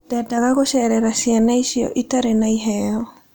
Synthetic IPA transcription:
d̥ɛdaɣaɣoɕɛɾɛɾasianaiɕiɔ̰ʔitaɾenaiɦɛɔ

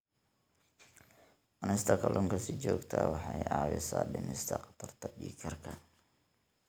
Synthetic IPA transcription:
ʔɐnɪst̪ʰɐkʰɐlʔʊŋkʰɐsɪt͡ʃɔːɡt̪ʰɐwɑħɑjɑːwɪsaːɖɪmɪst̪ʰɐqɑ̥t̪ʰɐrt̪ʰɐbiːkʰɐrkʰɐ

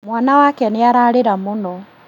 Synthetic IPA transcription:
mwaːnawakɛniaɾaːɾiɾamunɔ

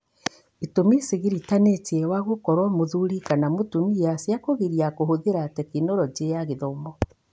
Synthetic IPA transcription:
itomisiɣiɾitanetiɛwaɣokɔɾwamoðuɾikanamotumijasjakoɣiɾiakoɦoðeɾatɛkinɔɾɔd͡ʒejaɣeðɔmɔ

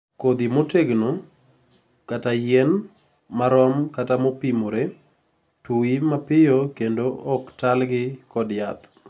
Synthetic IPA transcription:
kod̪imoteɡno | katajɛn | maɾɔmkatamopimoɾe | tuimapɪjokendoʔɔktalɡɪkɔdjat̪

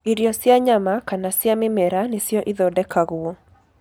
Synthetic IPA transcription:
iɾjɔsjaɲamakanasjamɪmɛɾanesjɔʔiðɔdɛkaɣwɔ

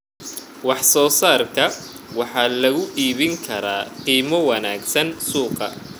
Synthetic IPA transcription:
wɑħsɔːsaːrkʰɐ | wɑħɑːlɐɣʊʔiːβɪŋkʰɐɾaːqiːmɔwɑnaːɡsɐnsuːqɐ̰

